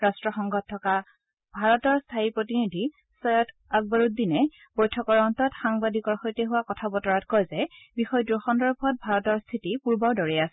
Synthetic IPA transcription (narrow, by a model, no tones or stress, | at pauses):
ɹastɹɔxɔŋɡɔtʰːɔka | bʱaɹɔtɔɹstʰaiɹpɹotinidʱi | sɔjɔt | aɡ̚bɔɹut̚dinɛ | bojtʰɔkɔɹɔntɔtxaŋbadʱikɔɹxojtɛɦuwakɔtʰabɔtɔɹatkɔjzɛbixɔjdɹuxɔndɔɹbʱɔt̚bʱaɹɔtɔɹstʰitipuɹbɔɹdɔɹɛasɛ